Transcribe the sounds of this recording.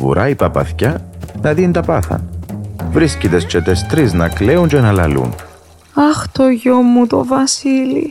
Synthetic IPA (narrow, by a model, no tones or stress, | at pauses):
vṵɾʔɐipɐpɐ̰θçɐnɐðint̪ɐpɐθɐ̰ | vɾiscit̪est͡ʃet̪est̪ɾiznɐkle̞uɲt͡ʃenɐlɐlṵn | ɐxt̪oʝomːut̪o̰vɐsilḭ